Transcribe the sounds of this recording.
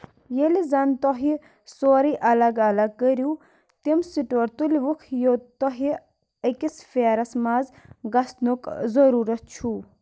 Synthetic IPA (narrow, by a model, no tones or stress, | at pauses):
jelizɐnt̪ɔɦi | soːɾiʔɐlɐɡɐlɐɡ̚kəɾju | t̪imsiʈoɾt̪ulʋukʰjot̪ɔɦi | ɐkisfeːɾɐsmazɡɐsnukzɐɾuːɾɐt̪̚t͡ʃʰu